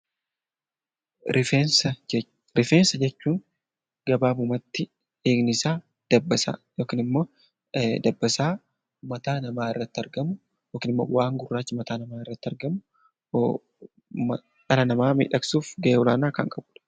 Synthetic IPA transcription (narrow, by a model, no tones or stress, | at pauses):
fsɐ | ɾɪfeːnsɐd͡ʒɛt͡ʃːuːŋ | ɡ̥ɐbaːbʊmɐt̪ːɪ | eːɡnɪsaː | d̪̥ɐbːɐsa̰ːjoːkiːnɪmːo̞ː | d̪ɐbːɐsaː | mɐt̪aːnɐmaːɪrːɐt̪ːɪɐɾɡɐmʊ | joːkiːnɪmːo̰waːŋɡʊrːaːt͡ʃːɪmɐt̪aːnɐmaːɪrːɐt̪ːɪɐɾɡɐmʊ | ɐnɐnɐmaːmḭːᶑɐksuːfɡɐʔeːwɔlaːnaːkɐŋkʼɐbʊᶑɐ̥